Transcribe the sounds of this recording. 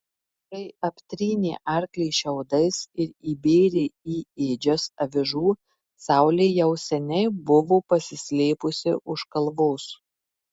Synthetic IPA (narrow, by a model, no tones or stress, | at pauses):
t̪ɐɪɐpʲt̪ʲɾʲiːnʲḛːʔɐˑɾʲklʲɛɪʃʲɛʊd̪ɐɪsɪɾiːbʲeːɾʲeiːeːd͡ʒʲosɐʋʲɪʒuː | sɑˑʊlʲeːjɛʊsʲɛnʲɛɪbʊʋoːpɐsʲɪsʲlʲeːpʊsʲɪʔʊʃkɐlˠʋoːs